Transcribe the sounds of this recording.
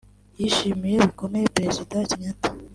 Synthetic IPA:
jiʃimije̞βiko̞me̞jepɾe̞zidaciɲatḁ

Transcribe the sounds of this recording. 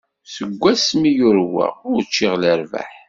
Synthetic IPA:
səɡʷːæsmijʊɾwæ̰ʊɾt͡ʃːɪʁləɾva̰ħ

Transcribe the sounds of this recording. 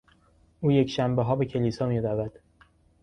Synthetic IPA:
ʔuːje̞cʰʃæmbeɦɒːbe̞cʰe̞liːsɒːmiːɾævæd̪̥

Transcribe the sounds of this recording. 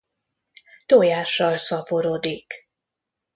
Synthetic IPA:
t̪oːjaːʃːɒlsɒpoɾoːd̪ik

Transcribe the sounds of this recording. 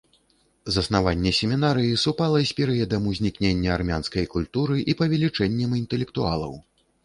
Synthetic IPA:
zɐsnavanʲːɛsʲɛmʲinaɾɨjisupalˠɐsʲpʲɛɾɨjɛd̪ɐmuzʲnʲiknʲenʲːɐarmʲanskɐjkulʲt̪uɾɨʔipɐvʲɛlʲit͡ʂɛnʲːɛmint̪ɛlʲɛkt̪ua̰lˠɐ̰w

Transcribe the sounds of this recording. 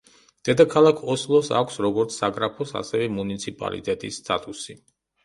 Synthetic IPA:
d̪̥ɛd̪akʰalˠakʰɔslˠɔsa̰kʷʰsɾɔɡɔɾt̪sʰːaɡɾapʰɔsa̰sɛvɛmunit̪sʰipʼa̰lḭt̪ʼɛt̪ʼisːt̪ʼat̪ʼusi

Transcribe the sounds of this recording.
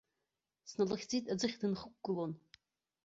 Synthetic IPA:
snalaχʲd͡zitʼad͡zɨχʲdɨnχək̚ʷɡɨlon

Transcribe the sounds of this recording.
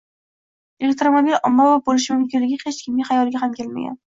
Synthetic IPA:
elek̚t̪ɾomobilɒmːavabolɪʃɪmʊmkʲɪnlɪɡʲɪqʰet͡ʃkʲʰɪmʲɪχajɒlˠɡʲaɦamkʲe̞lma̰ɡʲa̰n

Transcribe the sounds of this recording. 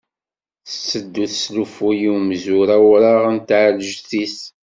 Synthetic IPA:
θəsːəd̪ːuθslufujiwmzuɾawɾaʁənt̪ʕləʒθis

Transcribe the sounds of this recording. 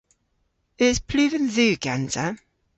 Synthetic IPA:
ɪz̥pʰl̥ʉːvə̃nðʉːɡ̥anzə

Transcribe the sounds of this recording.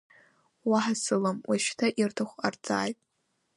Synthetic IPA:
waħasɨlamwʔaʃtʰaʔirtʰaχʷart͡sʼa̰ːjtʼ

